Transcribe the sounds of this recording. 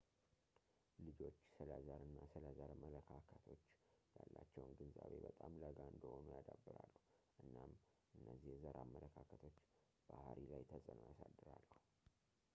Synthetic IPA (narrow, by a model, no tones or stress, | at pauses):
lɨd͡ʒo̞t͡ʃːsəlazaɾɨnːasələzaɾmələkʰakʰət̪ʰo̞t͡ʃːjalːat͡ʃːɛwnɡɨnzaβe̞bət̪ʼamləɡaɨnd̪əho̞nujad̪abːɨɾalːu | ʔɨnːam | ʔɨnːəzːihzəɾamːələkʰakʰət̪ʰo̞t͡ʃː | b̥ahaɾilajt̪ʰəsʼənjasad̪ːɨɾalːəhu